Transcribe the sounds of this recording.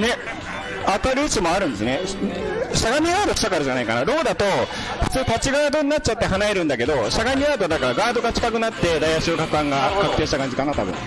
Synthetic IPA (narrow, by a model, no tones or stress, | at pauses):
ne̞ | at̪aɾɯ̟isɨmo̞aɾɯ̟̃nd̪e̞sɨne | ɕaɡamʲiaːd̪oki̥t̪akaɾɯ̟ʑanaikanaɾo̞ːd̪at̪o̞ | ɸɯ̟̥t͡sɨːt̪at͡ɕiɡaɡad̪o̞ɲinatt͡ɕ̚ːt͡ɕat̪ːe̞ɦanaeɾɯ̃nd̪ake̞d̪o̞ɕaɡaɲʲiat̪od̪akaɾaɡaːd̪o̞ɡat͡ɕi̥kakɯ̟nat̪ːe̞d̪aiaɕiokakɯ̟ãŋɡakakɯ̟̥t̪ẽ̞ːɕit̪akãɲ̟d͡ʑikanat̪a̰bɯ̰̃